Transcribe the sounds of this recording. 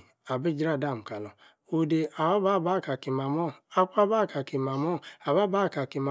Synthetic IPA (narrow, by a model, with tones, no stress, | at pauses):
a˨bi˦d͡ʒɾa˦˨da˦˨m̩˨ka˨lɔ˨ | o˦de˧a˨ba˦ba˦˨ba˦˨ka˨ki˨ma˨mɔ˦˨a˨k͡pa˦ba˦˨ka˨ki˨ma˨mɔ˦˨a˨ba˦ba˦˨ka˨ki˨ma˨